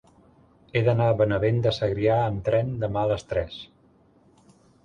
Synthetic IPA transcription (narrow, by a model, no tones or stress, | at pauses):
eðənaβənəβend̪əsəɣɾiaəmt̪ɾɛnd̪əmaləst̪ɾɛs